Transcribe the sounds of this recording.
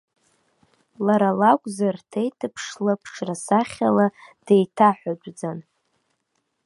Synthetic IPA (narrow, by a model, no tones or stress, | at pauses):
laɾalakʷʼzartʰejtʰɨpʰʂlapʰʂrasaχʲalad̥ejtʰaħʷad͡ʒʷʼd͡zan